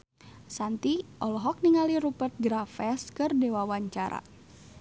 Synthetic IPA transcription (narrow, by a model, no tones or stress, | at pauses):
sant̪iʔɔlɔɦɔk̚niŋaliɾupərt̪̚ɡɾafɛskɨrdewawaɲt͡ʃaɾa̰